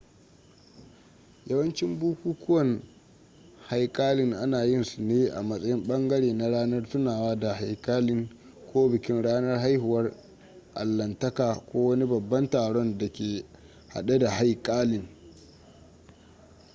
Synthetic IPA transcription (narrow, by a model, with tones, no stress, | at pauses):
jɐ˦wɐ˦nt͡ʃɪ˦mbuː˦kʷuː˦kʷʊ˦wɐ˨n | ha˦jkʼaː˦lɪ˦˨ŋʔa˦naː˨jɪ˦nsu˨neː˦ʔa̰˨mɐ˦sʼɐ˦jɪ˦mɓɐ˦ŋɡɐ˦ɽeː˨na˨ɽaː˦nɐ˦rtʊ˦naː˨waː˦da˨ha˨jkʼaː˦lɪ˦ŋ | kʰʷoː˦bɪ˨kʲɪ˦nɽaː˦nɐ˦rɦa˦jhʊ˨wɐ˦r | ʔa̰˨lːɐ˨ntɐ˦kaː˨kʷoː˦wɐ˦ni˦bɐ˨bːɐ˦ntaː˨ɽɔ˦nda˨kʲeː˨ | ha̰˨ɗa˦da˨ha˦jkʼaː˦lɪ˨ŋ